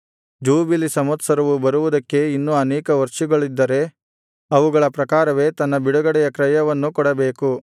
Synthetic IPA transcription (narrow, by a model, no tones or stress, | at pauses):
d͡ʒuːbilisɐmɐt̪sɐɾɐʋubɐɾuʋud̪ɐkːe̞inːuɐnɛːkɐʋɐɾʂiɡɐɭid̪ːɐɾe̞ | ɐʋuɡɐɭɐpɾɐkaːɾɐʋe̞ːt̪ɐnːɐbiɽuɡɐɽɛjɐkɾɐjɐʋɐnːukɔɽɐbeːku